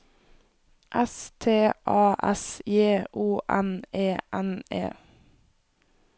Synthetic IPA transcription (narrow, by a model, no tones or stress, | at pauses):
ʔɛst̪ʰeːʔɑːʔɛsjeːʔuːʔɛneːʔɛnḛː